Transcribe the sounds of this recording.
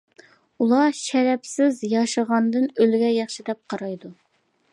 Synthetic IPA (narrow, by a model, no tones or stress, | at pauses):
ulˠɑʃɛɾɛpsɪzjɑʃəʁɑnd̪ɨnølɡʲɛjɑχʃid̪ɛp̚qʰɑɾɑjd̪u